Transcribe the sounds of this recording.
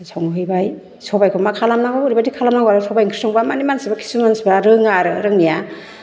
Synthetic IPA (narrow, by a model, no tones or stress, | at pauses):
sawŋɦɯjbaj | sɔbajkʰɔmakʰalamnaɡɔɾibadikʰalamnaɡɔaɾɯsʰɔbajŋkʰi̥sɔŋbamanimansibakʰi̥sumansibaɾɯŋaɾɯɾɯŋnija